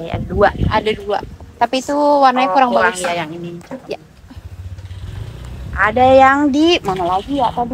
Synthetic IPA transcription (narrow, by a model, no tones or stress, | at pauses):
a̰daduaa̰dadua̰t̪apit̪uwarnaɲakuɾaŋbauajaŋinit͡ʃaja | ʔa̰dajaŋdimənolaɡijat̪ad